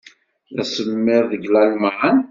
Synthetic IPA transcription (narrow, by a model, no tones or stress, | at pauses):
ðæsəmmːɪɾðəɡlælmaʕən